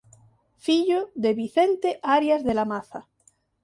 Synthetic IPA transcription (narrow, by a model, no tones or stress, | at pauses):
fiʎoðeβiθent̪eʔaɾjazðelamaθa